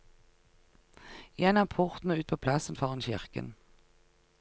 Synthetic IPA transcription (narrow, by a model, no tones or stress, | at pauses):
jɛnɑːmpʰʊʁt̪n̩ʉːt̪̚pʰoːpʰlɑsənfɑːʁənçɪʁkə̰n